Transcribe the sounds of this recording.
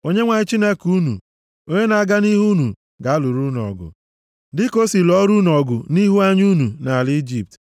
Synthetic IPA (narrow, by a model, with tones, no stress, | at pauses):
o˦ɲe˦ŋʷa˨ɲɪ˦t͡ʃi˦ne˦ku˦nṵ˨ | o˦ɲe˦na˨a˦ɡa˦ni˦ɦu˦nu˨ | ɡa˨a˦lu˨ɾu˦n˨ɔ̰˨ɡʊ̰˨ | dɪ˦ko˦si˨lɔ˦ɾu˦n˨ɔ˨ɡʊ˨ni˦ɦu˦a˦ɲu˦nu˨na˨li˦d͡ʒi˨p̚t